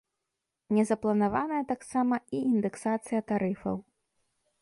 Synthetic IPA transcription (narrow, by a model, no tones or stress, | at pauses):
nʲɛzɐplˠɐnavanɐjɐt̪aksamɐiːnd̪ɛksat̪sɨjɐt̪aɾɨfɐ̰w